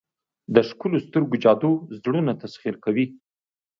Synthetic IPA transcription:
d̪əʃkulost̪əɾɡod͡ʒɑd̪ozɽunat̪asχiɾkawi

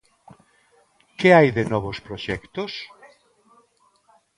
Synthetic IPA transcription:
kɪajðenɔβospɾoʃɛkt̪os

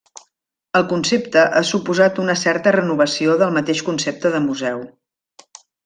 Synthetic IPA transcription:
əlˠkunsept̪əʔasupuzat̪unəsɛrt̪ərənuβ̞əsioðəlˠmət̪eʃkunsep̚t̪əðəmuzɛw

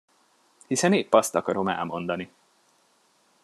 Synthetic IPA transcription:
hisɛneːppɒst̪ɒkɒɾo̞mɛ̰lmo̞n̪d̪ɒni

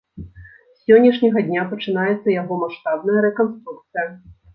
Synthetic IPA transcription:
sʲɔnʲːɐʂnʲɐɣɐd̪ʲnʲapɐt͡ʂɨn̪ajɛt̪sːɐjaɣɔmaʂt̪abnɐjɐɾɛkɔnst̪ɾuk̚t̪sɨjɐ

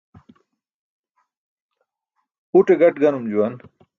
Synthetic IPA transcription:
puʈeɡɐʈɡɐnumd͡ʑuwɐn

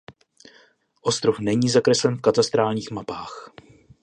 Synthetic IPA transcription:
ʔo̞st̪ɾofnɛɲiːzakɾɛslɛnfkat̪ast̪ɾaːlɲiːxmapaːx

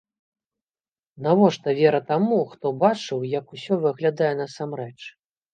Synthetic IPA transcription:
navɔʂt̪ɐvʲɛɾɐt̪amuxt̪ɔbat͡ʂɨwjɐkusʲɔvɨɐɣlʲad̪ajɛnɐsamrɛt͡ʂ

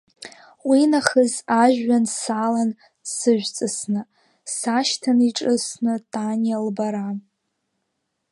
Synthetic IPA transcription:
winaχəzaʒᶣːansaːlan | sɨʒᶣʷt͡sʼɨsnɨ | saʃtʰaniʈ͡ʂʼɨsnɨtʼanjalbaɾa

